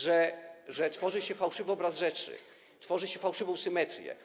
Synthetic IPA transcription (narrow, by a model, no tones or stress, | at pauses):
ʐɛʐɛt̪fɔʐɘɕɛfawʂɘvɘɔbɾazʐɛt͡ʂɘ̰ | t̪fɔʐɘɕɛfawʂɘvɔ̃w̃sɘmɛt̪ɾʲjɛ̰